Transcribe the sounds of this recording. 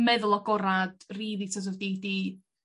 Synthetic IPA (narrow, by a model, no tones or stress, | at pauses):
mɛðʊlˠɔɡɔɾad̥riːðitʰas̬ɔvdidi